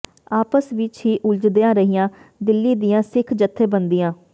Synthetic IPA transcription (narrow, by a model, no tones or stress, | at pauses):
aːpəsʋɪt͡ʃɦiːʔʊld͡ʒd̪eãːɾəɦijãːd̪ɪlːiːd̪ijãːsɪkʰd͡ʒət̪ʰːẽːbənd̪ijãː